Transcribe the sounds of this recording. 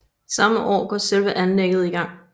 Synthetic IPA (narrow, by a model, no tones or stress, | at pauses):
sɑ̈məʔɒ̰ːɡ̥ɒ̰ːselʋəʔænleɡ̥əð̩ˠiɡ̥ɑ̈ŋ̰